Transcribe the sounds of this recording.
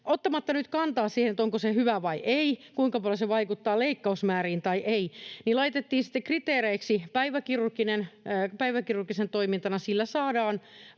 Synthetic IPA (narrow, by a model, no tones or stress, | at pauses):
ʔot̪ːɑmɑt̪ːɑnyt̪kɑnt̪ɑːssiːhenet̪oŋkosehyʋæʋɑiʔeikuiŋkɑpɑljoseʋɑikut̪ːɑːleikːɑusmæːriːnt̪ɑiʔeinilɑit̪et̪ːiːsi̥t̪ːekrit̪eːɾeiksipæiʋækirurkinenpæiʋækirurkisent̪oimint̪ɑnɑsilːæsɑːdɑːn